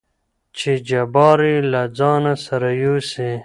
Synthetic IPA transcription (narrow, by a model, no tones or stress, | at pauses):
t͡ʃʰed͡ʒabɑːɾilad͡zɑːnasɐɾajuse